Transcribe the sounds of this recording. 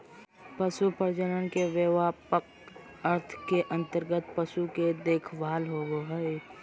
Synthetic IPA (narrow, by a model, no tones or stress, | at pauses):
pəʃupəɾd͡ʒənənkeʋjəʋaːpək | əɾt̪ʰkeʔə̃nt̪əɾɡət̪̚pəʃuked̪eːkʰʋaːlɦoɡoɦəe